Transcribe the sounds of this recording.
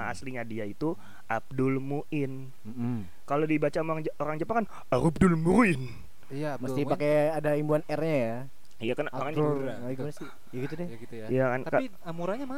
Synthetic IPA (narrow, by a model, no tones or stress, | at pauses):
aa̰sliɲadiait̪u | ʔab̚dʊlmuʔɪn̩ | kalodibat͡ʃamaŋoɾaŋd͡ʒapakan | aɾub̚dʊlmuɾɪn | məst̪ɪpakeadaimbuanɛrɲaja | jakanakan | iansi | jaɡit̪udɛɡit̪jijakankai | amuɾaɲama